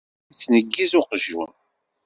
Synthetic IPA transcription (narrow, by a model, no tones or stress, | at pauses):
t͡sːnəɡːizʊqəʒːṵn